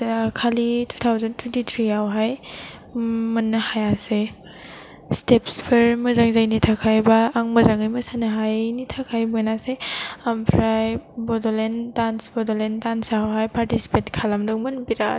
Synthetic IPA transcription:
kʰalitʰu̥t̪ʰawzantʰwentit̪ʰɾiawɦaj | mɐnːɐhajase | stepspʰeɾmɐzaŋzajnitʰakʰajbɐːŋmɐzaŋajmɐsanɐɦajnitʰakʰajmonaseampʰɾajbɔdɔlendansbɔdolendansawɦajpaɾtisi̥petkʰalamdɔŋmɐnbiɾa

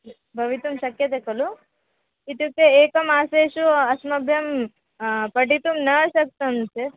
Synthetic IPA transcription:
bʱɐʋit̪umʃɐkjɐt̪ekɐlu | it̪ukːeeːkɐmaːseːʃuɐsmɐbʱjɐm | pɐʈit̪umnɐʃɐk̚t̪ɐmse

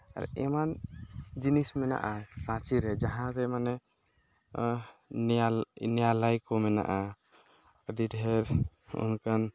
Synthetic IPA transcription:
a̰ɾ̰ɛmand͡ʒinismɛna̰ʔasãt͡ʃiɾɛd͡ʒaɦãɾɛmanɛ | nɛjalajkɔmɛna̰ʔa | didʱɛɾ | ṵnkʰan

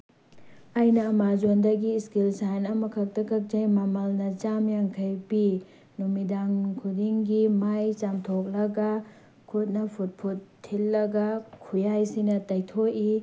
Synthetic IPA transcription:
ɐjnɐːmad͡ʒondɐɡiskilsajnɐmɐkʰɐk̚tɐkʰɐk̚d͡ʒɐjmamɐlnɐt͡ʃamjaŋkʰɐjbi | numidaŋkʰudiŋɡimajt͡ʃamtʰok̚lɐɡɐ | kʰut̚nɐpʰut̚pʰutʰːilːɐɡɐkʰujajsinɐtɐjtʰoki

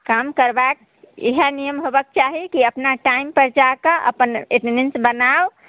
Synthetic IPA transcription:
kamkəɾbak̚ | ḛɦənijəmɦobək̚t͡ʃaɦikiəpnaʈaimpəɾd͡ʒakəʔə̰pəneʈnensbənaw

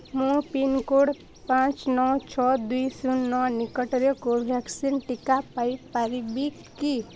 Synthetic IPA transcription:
mũpinkoɽ | pãːt͡ʃnɔt͡ʃʰɔd̪uisunɔnɪkəʈɾekobʱɛksinʈɪkapaipəɾibikki

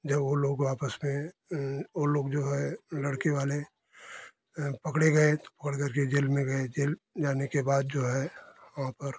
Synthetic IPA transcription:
d͡ʒɐbʋoloːɡaːpəsmẽ | oloːɡd͡ʒoːɦɛlɐɽkeʋaːle | pɐkɽeɡɐet̪o̥pɐ̥kəɽkɐɾked͡ʒeːlmẽɡɐed͡ʒeːld͡ʒaːnekebaːd̪̚d͡ʒoːɦɛʋɐɦãpɐɾ

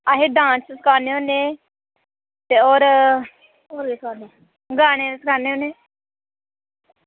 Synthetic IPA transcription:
aɦeːɖãːssəkʰaːneːɦoːneː | t̪eːoːɾ | oːɾɡeskʰaːne | ɡaːɽ̃eːesəkʰaːneːɦoːneː

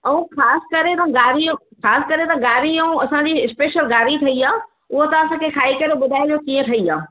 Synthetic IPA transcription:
ɐũxʰaːsɪ̥̆kɐɾet̪ɐɡaːɾiũxaːsɪ̥̆kɐɾet̪ɐɡaːɾiɐũɐsãd͡ʑiːɪspeːʃəlɡaːɾit̪ʰɐiaː | ʊɦot̪ɐɐs̬ãkʰekʰaːikɐɾoɓʊd̪ʱaːed͡ʑokiːə̃t̪ʰɐiaː

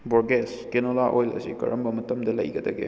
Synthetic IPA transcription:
boɾɡeskenolaʔojlɐ̰sḭkɐ̰ɾɐmbɐmɐtɐmdɐlɐ̰jɡɐdɐɡḛ

